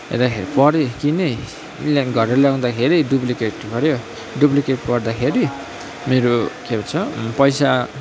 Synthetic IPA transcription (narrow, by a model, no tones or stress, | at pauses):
ḛɾd̪akʰeɾipʌɾjokine | lɡʱʌreleaw̃d̪akʰeɾiɖuplikeʈpʌɾjo | ɖuplikeʈpʌrd̪akʰeɾi | meɾokebʌt͡sʰʌpʌjsa